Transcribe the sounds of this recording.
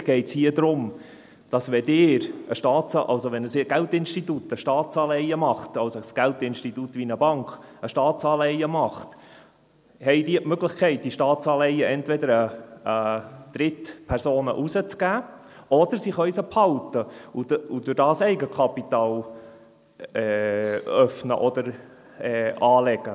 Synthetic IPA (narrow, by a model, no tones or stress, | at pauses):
ɡ̥ɛɪtshiədɾʊm | d̥ɑsʋɛdɪːɾəʃtɑːt͡sɑ̰ʔɑ̰lsoʋɛnəsɡ̥æltɪnʃtitutəʃtɑːtt͡sɑːlɛɪəmɑχt̪ɑlsosɡ̥æltɪnʃtitutʋinəbɑŋkχəʃtɑːt͡sɑːlɛɪəmɑχt | hɛɪdiːətmøɡlɪχkʰɛɪt̚d̥iʃtɑːtt͡sɑːlɛɪəʔɛntvɛdəɾə | d̥̪ɾɪt̪pʰɛɾsoːnə̰ʔusət͡sɡ̥æː | ɔd̥̪əɾsɪχœʏsəphɑlt̪əuudʊɾdɑːsɛɪɡəkʰɑpit̪ɑːl | ɛ | œfnə̰ʔɔd̥̪əɾ | ɛːɑːlɛɡ̥ə